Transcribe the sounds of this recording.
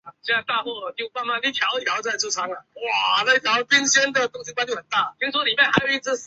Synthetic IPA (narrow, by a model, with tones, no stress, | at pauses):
ɕɛ˥a˧˩t̪a˥˧xwɔ˥˩t͡ɕjo˥˧ʊma˥˧nma˥˩ni˥˩t̪ʰjɑ˧˥ʊ˧˩jɑ˧˥ʊt͡sa˥˩ɪʈ͡ʂu˥˩sʰɑ˥ŋə˨˩wa˥˩na˥˧˩t̪ʰjɑ˧˥ʊpi˥nɕjɛ˥nd̪ə˨t̪ʊ˥ŋɕi˧kwa˥nt͡ɕ̪o˥˩xə˨˩nt̪a˥˩t̪ʰi˧˥ŋsʰwɔ˥li˨˩pa˥˩ɪxa˧˥ɪjo˨˩ʊi˥˩t͡sɹ̩˥